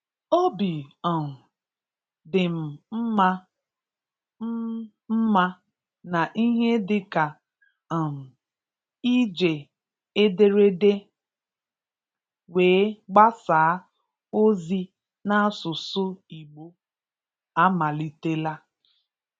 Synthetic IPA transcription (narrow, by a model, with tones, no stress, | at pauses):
o˦bi˨ɔ˨ | dɪ˨m̩˨m̩˦a˦ | m̩˦ma˦ | na˨ʔi˦ɦe˦dɪ˨ka˨ | i˦d͡ʒe˨ | e˦de˦ɾe˦de˦ | weː˨˦ɡ͡ba˦saː˨˦ | o˦zi˦ | na˦sʊ˨sʊ˦i˨ɡ͡bo˦ | a˦ma˨li˨te˦la˦